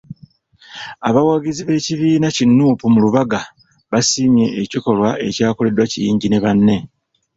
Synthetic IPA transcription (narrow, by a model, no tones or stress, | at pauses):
aβawaɡiziβe̞ciβiːnacinːuːpumuluβaɡa | βasimje̞ʔːciko̞lwae̞caːko̞le̞dwacijiːɲɟine̞βanːe̞